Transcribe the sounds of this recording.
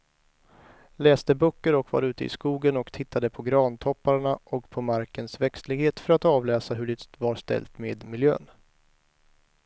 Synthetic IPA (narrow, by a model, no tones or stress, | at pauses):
lɛːst̪əbœːkːəɾɔkva̰ɾʉ̟ːt̪əɪ̰skuːɡənɔkt̪ʰɪt̪ʰːad̪əpʰɔɡɾɑːnt̪ʰɔpːaɾɳaʔɔkpʰɔmaɾkənsvɛkst̪lɪɡheːt̪fœɾat̪ɑːvlɛːsaɦɵɖɪt̪vaɾst̪ɛ̰lt̪meːd̪mɪljø̰ːn